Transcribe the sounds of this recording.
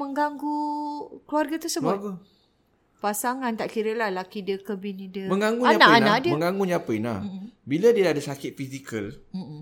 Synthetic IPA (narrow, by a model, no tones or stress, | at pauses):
mə̃ŋɡaŋɡukluarɡat̪ərsəbʊɡa | pasaŋãnt̪aʔkiɾəlahlakidəkəbinidəməŋaŋɡuɲaanaanãʔdiəməŋɡaŋɡuɲaapəinabiladiəadasakɪt̪̚fisikəlm̩m̩